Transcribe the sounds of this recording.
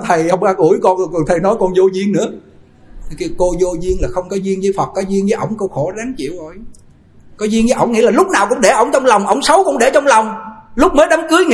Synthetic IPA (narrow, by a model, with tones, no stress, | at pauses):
t̪ʰə˨˩jhə˧wŋ͡mʔaː˧ku˧˩əjkɔ˧nɔ˨˩t̪ʰə˨˩jnɔ˨˦jkɔ˧nzo˧zi˧ənnɨ̰˧˥ə˨ | ki˧ko˧zo˧zi˧ənlaː˨˩xə˧wŋ͡mkɔ˨˦zi˧əŋzəː˨˦fə˨˩t̚kɔ˨˦zi˧əŋzəː˨˦ʔə̰˧˩wŋ͡mkə˧wxo˧˩˦za˨˦ŋt͡ɕḭ˧˨əwzo˨˩j | kɔ˨˦zi˧əŋɲəː˨˦jə̰˧˩˨wŋ͡mŋḭ˧˥laː˨˩lʊ˦˥k͡p̚naː˨˩wkʊ̰˧˥ŋ͡mɗe˧˩ʔə̰˧˩wŋ͡mt͡ɕɔ˧wŋ͡mlə˨˩wŋ͡mʔə̰˧˩wŋ͡msə˨˦wkʊ̰˧˥ŋ͡mɗe˧˩t͡ɕɔ˧wŋ͡mlə˨˩wŋ͡mlʊ˦˥k͡p̚məː˨˦jɗa˨˦mkɨ˨˦əjŋ